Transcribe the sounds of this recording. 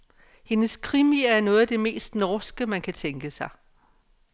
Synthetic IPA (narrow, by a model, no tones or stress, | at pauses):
he̝nəskʰʁimiæɐnɔ̽ːð̩ˠd̥e̝me̝̰ːsd̥nɒsɡ̥əmænkʰæt͡sʰeŋɡ̥əsɑ̈ɪ